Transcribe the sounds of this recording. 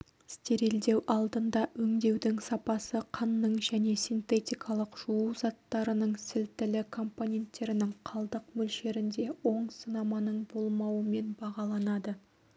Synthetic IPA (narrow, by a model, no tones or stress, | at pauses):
st̪eɾe̞ld̪e̞wʔɑlˠd̪ənd̪ɑɵŋd̪e̞wd̪ɪŋsɑpɑsəqʰɑnːəɴʒæne̞sʲijnt̪e̞t̪ʲijkʰɑlˠəqʒ̥uuzɑt̪ːɑɾənəɴsɪlt̪ɪlɪkʰo̞mpo̞nʲe̞nt̪ːe̞ɾɪnɪŋqʰɑlˠd̪əqmɵlʃe̞ɾɪnd̪e̞wo̞ɴsənɑmɑnəɴbo̞lˠmɑwəme̞nbɑʁɑlˠɑnɑd̪ə